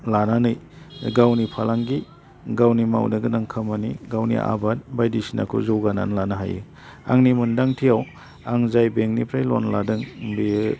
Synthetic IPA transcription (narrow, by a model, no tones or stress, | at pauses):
lananɯj | ɡawnipʰalaŋɡi | ɡawnima̰wnɯɡɯnaŋkʰɐmaniɡawnḭʔa̰bat̚bajdisina̰kʰṵzowɡana̰nlanaɦa̰jɯ̰ | a̰ŋnimundaŋtʰijaw | aŋzajbeŋnipʰɾajlonladɯŋbi